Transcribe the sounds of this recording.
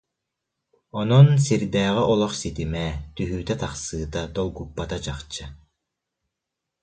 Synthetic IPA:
ɔnɔnsiɾd̪ɛːʁiʔɔlˠɔχsit̪imɛt̪yɦyːt̪ɛt̪aχsɯːt̪at̪ɔwɡupːat̪at͡ɕaχt͡ɕːɯ

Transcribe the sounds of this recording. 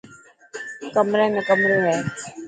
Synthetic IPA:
kəmɾẽːmẽkəmɾoːɦɛː

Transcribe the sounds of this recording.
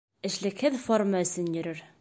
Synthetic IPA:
ɘ̆ʃlɘ̆khɘðformaɵ̆sɘnjɵ̆ɾɘɾ

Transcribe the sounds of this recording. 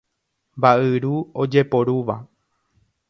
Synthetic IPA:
mbaʔɨɾuod͡ʒepo̞ɾuʋa

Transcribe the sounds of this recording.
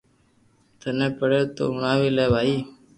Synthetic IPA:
t̪əneːpəɽeːt̪o̰ːʊɳ̃aːʋiːleːbaːiː

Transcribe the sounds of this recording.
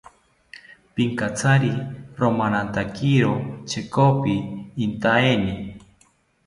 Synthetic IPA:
piŋkat͡sʰaɾiɾomanant̪akiɾot͡ʃʰekopiːnt̪aeni

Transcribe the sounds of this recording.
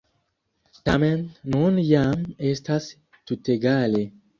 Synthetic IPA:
tamenːunjamestas | tuteɡale

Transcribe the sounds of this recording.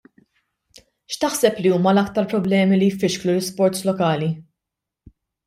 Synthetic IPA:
ʃt̪ɐħsɛpliuːmɐlɐkt̪ɐɾpɾɔblɛːmilijfːɪʃklulɪspɔɾt̪slɔkɐːli

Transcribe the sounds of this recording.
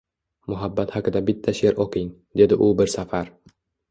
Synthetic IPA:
mʊɦabːat̪haqɨd̪abɪt̪ʰːaʃe̞ɾɒqʰɪŋ | d̪e̞d̪ɪʔʊbɪɾsafaɾ

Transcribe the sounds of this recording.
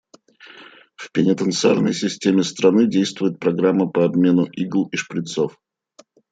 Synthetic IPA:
fpʲɪnʲɪt̪ənt̪sɨa̰rnəjsʲɪsʲtʲemʲɪst̪ɾɐnɨdʲejst̪vʊjɪt̪̚pɾɐɡɾamːəpəɐbmʲe̞nʊʔiɡlˠiʂpɾʲɪt̪sof

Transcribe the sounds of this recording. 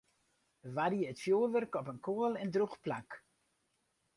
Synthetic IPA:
ʋariəətfjoːlʋørkɔpənkuəlˠɛndruxplak

